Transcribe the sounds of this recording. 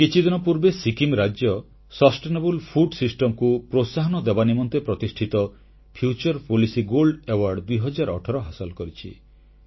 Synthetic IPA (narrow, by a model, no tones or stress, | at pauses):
kit͡ʃʰid̪inɔpuɾbesikimɾad͡ʒjɔ | sɔsʈenebulpʰuɖsisʈɔmkupɾosaɦɔnɔd̪ebanimɔnt̪epɾɔt̪isʈʰit̪ɔ | pʰjut͡ʃɔɾpolisiɡolɖewaɾɖd̪ujɦɔd͡ʒaɾɔ̰ʈʰɔɾɔɦasɔlkɔɾit͡ʃʰḭ